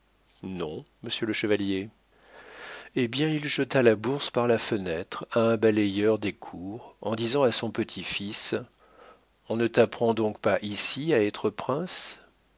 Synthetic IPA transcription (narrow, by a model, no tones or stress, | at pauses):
nɔ̃məsjələʃəvalje | ebjɛ̃ilʒət̪alabuʁspaʁlafənɛt̪χaɛ̃balɛjœʁd̪ekʰuʁɑ̰̃d̪izɑ̃asɔ̃pət̪ʰifis | ɔ̃nət̪apχɑ̃d̪ɔ̃kpaʔisiaɛt̪χəpχɛ̃s